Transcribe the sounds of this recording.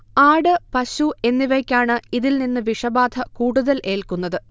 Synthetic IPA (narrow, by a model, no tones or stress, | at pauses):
aːɽɨpɐɕue̞nːiʋɐjkʲːaːɳɨiðilninːɨʋiʂɐbaːd̪ʰʱɐkuːɽuðɐlʔe̞ːlkunːɐðɨ